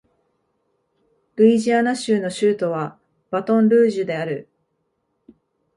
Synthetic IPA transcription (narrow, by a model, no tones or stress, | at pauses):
ɾɯ̟iʑianaɕɨːno̞ɕɨːt̪o̞β̞a | b̥at̪õ̞nɾɯːʑɨd̪e̞aɾɯ̟